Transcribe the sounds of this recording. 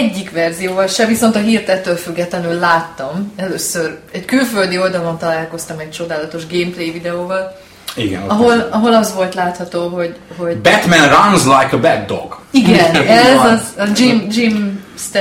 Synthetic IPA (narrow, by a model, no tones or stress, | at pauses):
ɟːikʋɛrzijoːvɒlʃɛviso̞nt̪ɒɦiːrt̪ɛt̪ːøːlfyɡːɛt̪lɛnylːaːt̪ːɒmɛløːsørɛckylføld̪io̞ld̪ɒlo̞nt̪ɒlaːlko̞st̪ɒmɛc̚t͡ʃo̞d̪aːlɒt̪o̞ʒɡeːmplejvid̪ɛoːvɒl | iɡɛ̰nɒɦo̞lɒɦo̞lɒzʋo̞lt̪laːt̪hɒt̪oːɦo̞ɟho̞ɟbɛt̪mɛ̃nranzlajkəbɛɡ̚d̪o̰ɡ̥iɡɛnɛzɒzɒd͡ʒimd͡ʒimst̪